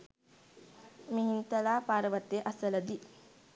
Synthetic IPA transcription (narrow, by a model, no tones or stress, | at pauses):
miɦint̪əlaːpaːɾəʋət̪ːeʔɐsələd̪i